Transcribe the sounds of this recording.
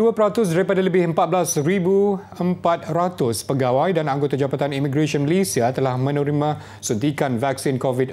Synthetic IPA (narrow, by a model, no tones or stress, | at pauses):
duapəɾat̪ʊsdaɾipadaləbɪhəmpat̪̚blasɾibu | əmpat̪̚ɾat̪ʊspəɡawajdanaŋɡot̪ad͡ʒabat̪animiɡɾaʃɔnməlisiat̪əlahmə̃nũɾimã | sud̪ikanvaksɪnkɔvid